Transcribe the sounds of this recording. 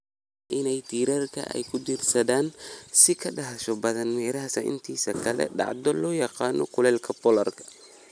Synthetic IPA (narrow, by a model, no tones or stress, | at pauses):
ʔɪnɛjt̪ʰiːɾɐrkʰɐ̰ʔɛ̰jkʰʊd̪irsɐðaːnsɪkʰɐɖɐɦɐʃɔbɐðɐnmɛːɾɐɦɐsɐʔɪ̰nt̪ʰiːsɐkʰɐlɛ̰ɖɑ̰ʕd̪ɔlɔːjɑqɑːnɔ̰kʰʊlɛːlkʰɐbɔlɐrkʰɐ̥